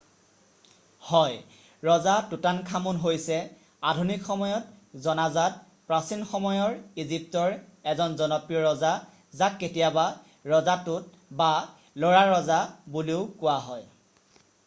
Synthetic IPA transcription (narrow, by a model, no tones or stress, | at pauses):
hɔj | ɹɔzatutankʰamunɦojsɛ | adʱunikxɔmɔjɔtzɔnazat̚ | pɹasinxɔmɔjɔɹizip̚tɔɹɛzɔnzɔnɔpɹijɔɹɔza | zakːetijaba | ɹɔzatʊt̚ | ba | lɔɹaɹɔzabuliʊkʊwaɦɔj